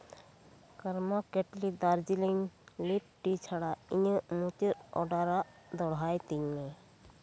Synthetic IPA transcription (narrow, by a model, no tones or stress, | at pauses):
kəɾmakeʈlid̪aɾd͡ʒiliŋlip̚ʈit͡ʃʰaɽaijə̃mut̪əɔɖaɾa | d̪ɔɽ̤ajt̪iɲːẽ